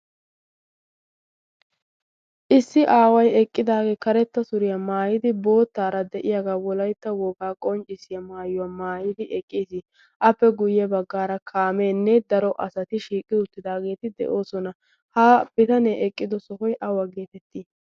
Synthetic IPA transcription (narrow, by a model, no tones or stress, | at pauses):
ʔɪsːɪʔaːwɐjɛkʼːɪd̪aːɡe̞ːkɐɾɛt̪ːɐsʊɾɪjɐmaːjɪd̪ɪbo̞ːt̪ːaːɾɐd̪ɛʔɪjaɡaːwɔlɐjt̪ːɐwɔːkaːkʼɔnt͡ʃʼːɪsɪjɐmaːjʊwaːmaːjɪd̪ɪʔɛkʼːiːsɪ | ʔɐpːɛɡʊjːɛbɐɡːaːɾɐkʰaːmeːnːɛd̪ɐɾɔʔɐsɐt̪ɪʃiːkʼɪʊt̪ːɪd̪aːɡe̞ːt̪ɪd̪ɛ̰ʔo̞ːsɔnɐ | haːb̥ɪt̪ɐneːʔɛkʼːɪd̪ɔsɔhɔjʔɐwɐɡe̞ːt̪ɛt̪ːiː